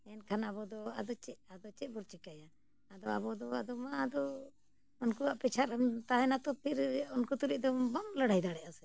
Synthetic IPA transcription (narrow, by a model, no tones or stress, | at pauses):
ɛnkʰanabɔd̪ɔa̰d̪ɔt͡ʃɛʔad̪ɔt͡ʃɛʔ̚buɾt͡ʃɛkajaː | d̪ɔa̰bɔd̪ɔad̪ɔmaːd̪ɔ | ɔnkuaʔpɛt͡ʃʰaɾamt̪aɦɛnat̪ɔpʰiɾɔnkut̪uɾiʔ̚d̪ɔbɔŋləɽajd̪aɽɛʔasɛ̥